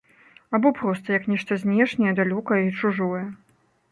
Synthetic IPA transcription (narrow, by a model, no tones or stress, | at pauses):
abɔpɾɔst̪ɐjɐknʲɛʂt̪ɐzʲnʲɛʂnʲɛjɛd̪alʲɔkɐjit͡ʂuʐɔjɛ